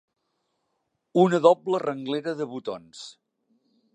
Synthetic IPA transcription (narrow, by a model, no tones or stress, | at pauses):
unəðɔblərəŋɡleɾəðəβut̪ons